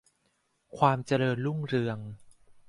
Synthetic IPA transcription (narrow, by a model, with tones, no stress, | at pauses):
kʰwaː˧mt͡ɕa˧ɾɤː˧nlu˥˩ŋɾɯ˧əŋ